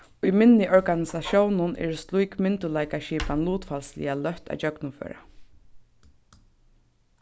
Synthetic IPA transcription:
imɪnːɪʔɔɹkanɪsaʃjownʊnʔɛ̰ɹst̪lujkmɪnt̪ʊlaɪkaʃiːpanluːt̪falslɪ̰alœht̪a̰t͡ʃœknʊfø̰ːɾa̰

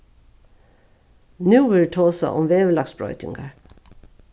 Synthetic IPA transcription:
nʉːʋɪt̪ʰoːsa̰ʔʊ̰mʋeːʋəlɑksbɹɔ̰ʏt̪ɪ̰ŋɡaɹ

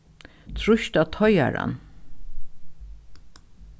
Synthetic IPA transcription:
t̪ʰɹʊʃt̪at̪ʰɔja̰ɹa̰n

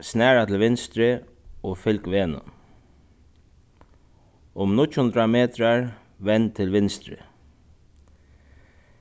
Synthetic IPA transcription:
snæːɹat̪ʰl̩ʋɪnst̪ɾə | oːfʏlkʋeːnə̰ | ʊmnʊt͡ʃhʊnd̪ɾameːt̪ɾaɹ | ʋɛnt̪ʰɪlʋɪnst̪ɾɪ̰

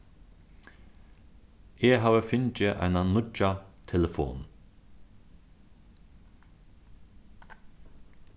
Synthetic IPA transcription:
eɦaːʋəfʏnt͡ʃɪʔa̰ɪnanʊt͡ʃat̪ʰɛləfo̰ːn

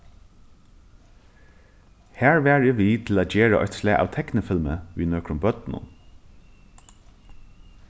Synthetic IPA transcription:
hæːɹʋæːɹɪʋiːt̪ʰɪl̩æːd͡ʒeːɹə̰ʔɔ̰t̪slæːʔa̰ʋt̪ʰɛknəfɪlməʋiːnøːkɾʊmbœt̪nʊ̰n

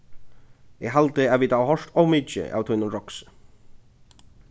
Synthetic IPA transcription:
ɪɣɦalt̪ɪaðvit̪awɦɔʂt̪ɔwmiːt͡ʃɪ̰ʔa̰wt̪ʰwijnʊnɾɔksɪ̥

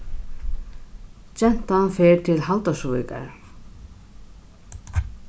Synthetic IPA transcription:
t͡ɕɛn̥t̪anfɛɾt̪ʰɪlɦalt̪asuvika̰ɾ

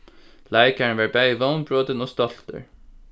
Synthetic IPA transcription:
laɪkaɹənʋɑːɹbæɪiʋoʊnbɹoːt̪ənɔːst̪ɔl̥t̪ə̰ɹ

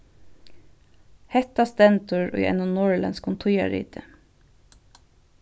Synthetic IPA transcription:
hɛt̪ɑst̪ɛnt̪ʊɹo̰ʔɛ̰nʊnɔɹlɛ̰nskʊnt̪ʰʊjɑ̰ɹḭːt̪ʰə

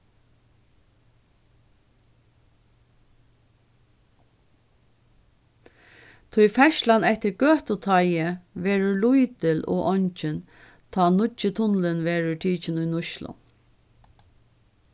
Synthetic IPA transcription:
t̪ʰʊjfɛʃlanɛht̪ɪɾɡøːht̪ʊt̪ʰajɪʋɛːɾʊlʊjt̪ɪlɔ̰ːʔɔɲt͡ʃɪn | t̪ʰɔːnʊt͡ʃɪt̪ʰʊnlɪnʋɛːɹʊʈʰiːt͡ʃɪnʊjnʊʃlʊ̰

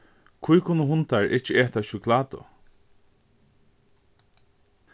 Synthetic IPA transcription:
kʰujkʰʊnːəɦʊnt̪aɹʔɪt͡ʃəeːt̪aʃʊkʰlaːt̪ʊ̰

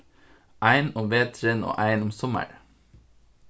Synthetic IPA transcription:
ʔæɪnɔmʋeːt̪ʰɾeːno̰ːʔæɪnʊmsɔmə̰ɹ

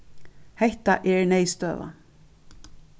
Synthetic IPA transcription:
hɛht̪aʔɛɹnejst̪œ̰ːʋa̰

